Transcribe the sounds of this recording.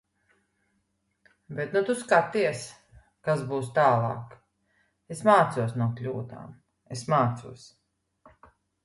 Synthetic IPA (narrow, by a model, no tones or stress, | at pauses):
bet̪nut̪uskat̪iɛs | kasbuːst̪aːlˠɑ̰ːk | esmaːt̪suɔsnuɔklʲuːd̪a̰ːm | esmaːt̪suɔs